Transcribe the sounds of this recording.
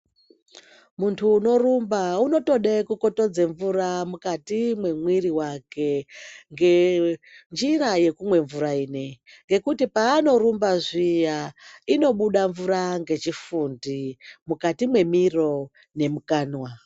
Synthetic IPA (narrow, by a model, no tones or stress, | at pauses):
muntʰuːno̞rumbauno̞to̞ɗekuko̞to̞d͡zeɱvuɾamukatimwe̞mwiɾiwake̞ŋɡe | nd͡ʒiraje̞kumwe̞ɱvuɾaiːne̞ | ŋɡe̞kutipaːno̞ɾumbaʐijaino̞ɓuɗaɱvuɾaŋɡe̞t͡ʃifundimukatimwe̞miro̞ | ne̞mukaːnwa